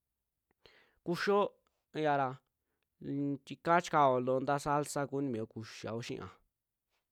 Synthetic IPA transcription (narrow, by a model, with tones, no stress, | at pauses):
ku˧ʃo˦ | ja˧ɾa˧ | t̪ʲi˧ka˦t͡ʃka˧o˨lo˧nd̪a˦sa˦lsa˦˧ku˦nĩ˧mĩ˨o˧ku˧ʃa̰˨o˧˦ʃḭ̃˧ʔã̰˨